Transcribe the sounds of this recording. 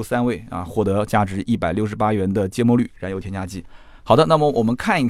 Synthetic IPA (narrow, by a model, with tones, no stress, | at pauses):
sa˥nwe˥˩ɪɐ̰˧xwɔ˥˩t̪ɤ˧˥t͡ɕja˥˩ʈ͡ʂɻ̩˧˥ʔi˥˩pa˨˩ɪljʊʂɻ̩˧˥pa˥ɥɛ˧˥nd̪ə˧t͡ɕjɛ˥mwɔ˧ly˨˩ɻa˧˥njo˧˩ʊtʰjɛ˥nt͡ɕja˥t͡ɕi˥˩ | xʰɑ˨˩d̪ə˦na˥˩mə˨˩wɔ˨˩mə˦nkʰa˥˩ni˧˩